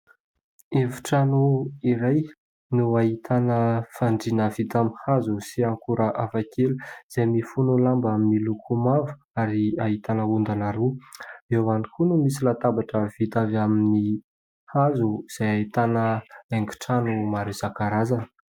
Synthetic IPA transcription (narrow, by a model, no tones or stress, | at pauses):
evu̥ʈ͡ʂanuiɾaj | nuaɦit̪ʰanəfaɳɖ͡ʐinəvit̪amhazusiaŋkuɾəʔafakʰeluz̥emifunulambaminilukʰumavu̥ | aɾiaɦit̪anəund̪anaɾuewanikʰunumisilat̪abaʈ͡ʂəv̥it̪avamini | hazuz̥ajaɦit̪anəeŋku̥ʈ͡ʂanumaɾisakaɾaza